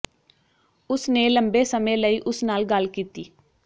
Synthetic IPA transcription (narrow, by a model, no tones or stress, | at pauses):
ʊsneːləmbeːsəmẽːləiːʔʊsnaːlɡəlkiːt̪iː